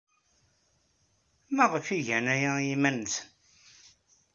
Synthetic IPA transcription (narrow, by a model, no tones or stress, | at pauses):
mæʁəfiʝænæjæjimænt